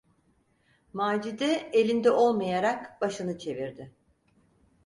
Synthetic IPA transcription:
maːd͡ʒid̪ɛelʲind̪ɛʔo̞lˠmajaɾakbaʃɯnɯt͡ʃʰe̞viɾd̪ɪ

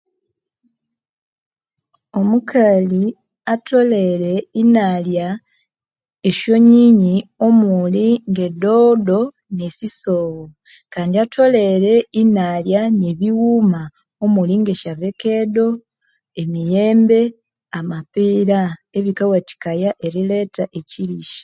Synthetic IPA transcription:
o̞mukʰali | atʰo̞le̞ɾe̞inalja | eʃo̞ɲiːɲio̞muliŋɡe̞dodo̞ | nesisoːwo | kaːndiatʰo̞le̞ɾe̞inaljaneβiwuma | omuliŋɡe̞ʃaveke̞do̞ | e̞mijeːmbe̞ | amapiːɾaeβikawati̥kajaʔe̞ɾile̞ːtaʔe̞ciliʃḁ

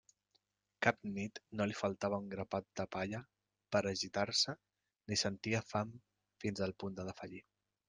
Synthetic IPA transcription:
kapnit̪nolifəlˠt̪aβəuŋɡɾəpat̪̚d̪əpaʎə | pəɾəʒit̪aɾsə | nisənt̪iəfam | finzəlˠpund̪əðəfəʎi

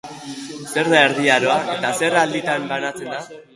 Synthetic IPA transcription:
se̞ɾnaeɾðiaɾo̞aʔe̞t̪ase̞rald̪it̪ambanat͡se̞nd̪a

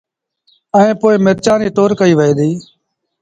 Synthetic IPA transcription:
əẽːpoːɪːmɪɾt͡ʃaːniːʈoːɾkəiːʋəeːd̪iː

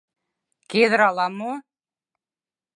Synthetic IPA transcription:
keðɾɑlˠɑmo

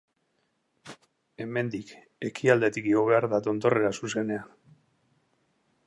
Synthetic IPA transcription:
e̞me̞nd̪ik | e̞kʰiald̪e̞t̪ikiɣoβ̞e̞aɾðat̪o̞nt̪o̞re̞ɾasuse̞ne̞a

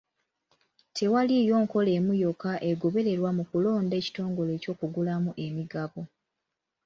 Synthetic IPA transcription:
tʰe̞walijo̞ːŋko̞le̞ːmujokaʔe̞ɡo̞βe̞ɾe̞ɾwamukulo̞ːnde̞ːci̥to̞ːŋɡo̞le̞ːco̞ːkuɡulamuʔe̞miɡaβo

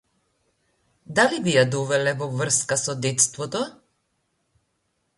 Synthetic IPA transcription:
d̪alibijad̪ɔvɛlɛvɔvr̩skasɔd̪ɛt̪st̪vɔt̪ɔ

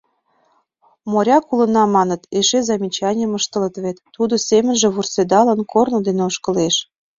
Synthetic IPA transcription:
moɾʲɑkulə̆nɑmɑnət̪eʃezɑmʲit͡ɕɑnʲəməʃt̪ə̆lət̪βet̪ːud̪osemə̆nʒĕβursed̪ɑlənkʰornod̪eneoʃkə̆leʃ

